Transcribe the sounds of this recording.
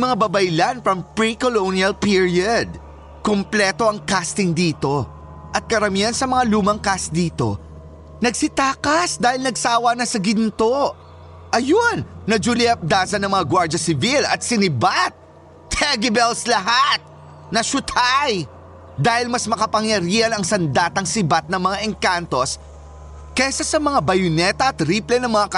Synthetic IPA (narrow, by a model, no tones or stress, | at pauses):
mɐŋabɐbɐjlanfɹɐmpɹikolowniɐlpiɹiɐd̪̚ | komplɛːt̪o̞ʔɐŋkast̪ɪŋd̪iːt̪o̞ | ʔɐt̪̚kɐɾɐmiːhɐnsɐmɐŋaluːmɐŋkas̚d̪iːt̪o̞̰ | nɐɡsɪt̪aːkɐsd̪aːhɪlnɐɡsaːwɐnɐsɐɡɪnt̪o̞ | ʔɐjonːɐd͡ʒuliɐp̚d̪aːsɐnɐŋmɐŋaɡwaɹd͡ʒɐsɪvilɐt̪̚sɪnɪbat̪̚ː | ɛɡɪbɛlslɐɦat̪̚ | nɐʃʊt̪ʰaj | d̪aːhɪlmɐsmɐkɐpɐŋjɐɾiːhɐnɐŋsɐnd̪at̪ɐŋsɪbat̪̚nɐŋmɐŋaʔɛŋkant̪o̞s | kɛsɐsɐmɐŋabɐjʊnɛt̪ɐɐt̪ɾiːplɛnɐŋmɐŋak